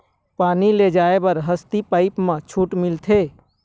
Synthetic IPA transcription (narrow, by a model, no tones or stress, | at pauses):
paːniled͡ʒaebəɾɦəst̪ipaːɪpmãt͡ʃʰuʈmilt̪ʰe